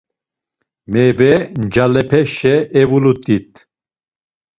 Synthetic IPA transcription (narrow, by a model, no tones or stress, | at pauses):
mɛvɛnd͡ʒalɛpʰɛʃɛʔɛvulut̪ʼit̪ʼ